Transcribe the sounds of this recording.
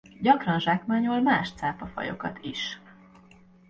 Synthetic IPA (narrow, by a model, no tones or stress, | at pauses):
ɟɒkrɒnʒaːkmaːɲolmaːʃt̪saːpɒfɒ̰jo̞̰kɒ̰t̪ʰiʃ